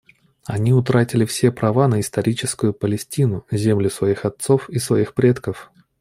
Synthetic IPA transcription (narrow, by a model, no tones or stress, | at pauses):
ɐnʲiʊt̪ɾatʲɪlʲɪfsʲepɾʔɐvanəɪst̪ɐɾʲit͡ɕɪskʊjʊpəlʲɪsʲtʲinʊzʲemlʲʊsvɐixɐt̪so̞fisvɐixpɾʲe̞t̪kəf